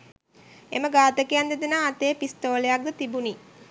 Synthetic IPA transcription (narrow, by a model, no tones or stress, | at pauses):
ḛməɡaːt̪əkijand̪ed̪enaːt̪eːpist̪oːlejak̚d̪ət̪ibuni